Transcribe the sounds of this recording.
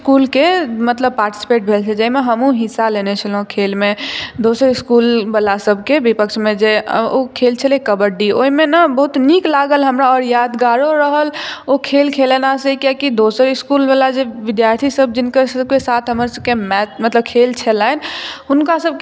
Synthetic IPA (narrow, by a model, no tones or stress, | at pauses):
skulkemət̪ləb̚paɾʈi̥si̥peʈ̚bʱelt͡ʃʰɛd͡ʒəimeɦəmũɦisːalenet͡ʃʰəlɦũkʰelmed̪osəɾiskulbəlasəbʱkebipəkʃʰmẽd͡ʒeokʰelt͡ʃʰəlekəbəɖioɦimenəbəɦut̪niklaɡəlɦəmɾaɔɾjad̪ɡaɾoɾəɦəlokʰelkʰelenaseikjakid̪osəɾiskulbəlad͡ʒeʋid̪jaɾt̪ʰisəb̚d͡ʒinkəɾsəbkesat̪ʰɦəməɾsəb̚kemɛt͡ʃmət̪ləb̚kʰelt͡ʃʰɛlaɪnɦunkasəb̚k